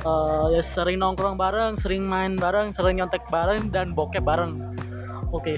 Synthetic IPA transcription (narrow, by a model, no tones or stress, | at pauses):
əjsəɾɪŋnɔŋkɾɔŋbaɾəŋsəɾɪŋmaɪnbaɾəŋsəɾɪŋɲɔnt̪ɛk̚baɾəŋdanbokɛbaɾəŋ | oke